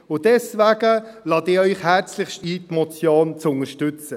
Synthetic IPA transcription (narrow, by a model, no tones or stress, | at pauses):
ʊdɛsvæɡəlɑːdɪːœʏχhæɾt͡slɪχʃtiːtmɔt͡sjoːnt͡sʊŋəɾʃtʉt͡sə